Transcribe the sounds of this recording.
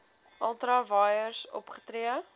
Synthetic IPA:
ʔɐlˠtəɾɑːvɑːjərsɔ̰pχə̥tɾiə

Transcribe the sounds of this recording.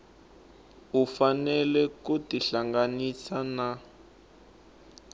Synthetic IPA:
ufanɛlɛkutiɬaŋɡanisana

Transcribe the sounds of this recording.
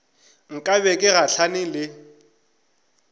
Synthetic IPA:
ŋ̩kʼaβɛkʼɪɣaɬʰanɪlɪ

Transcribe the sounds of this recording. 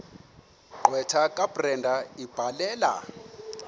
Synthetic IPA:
ǃwɛtʰakʼabrɛndʱaib̥ʱalɛːla̰

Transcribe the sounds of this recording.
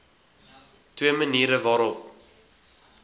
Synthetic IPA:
twiəməniːɾəvɑːɾɔp

